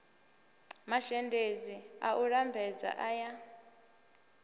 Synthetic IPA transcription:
maʃɛndʱeziaʔuɺambʱɛd͡za̰ʔaja

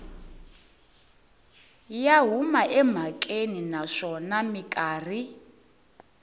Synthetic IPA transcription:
jaɦumaʔɛm̤akʼeninaʂɔnamikʼaːr̤i

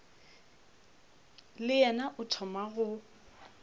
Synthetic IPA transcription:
lɪjɛnaʔʊtʰɔmaɣʊ

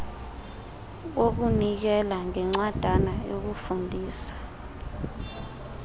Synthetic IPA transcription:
ok̬unik̬ɛlaŋɛŋ͡ǁwad̥ʱanajok̬ufundʱiːsḁ

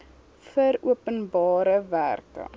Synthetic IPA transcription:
fəɾuəpənbɑːɾəvæ̰ːrkə̰

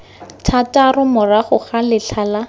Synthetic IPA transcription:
tʰatarʊmʊraχʊχalɪɬʰala

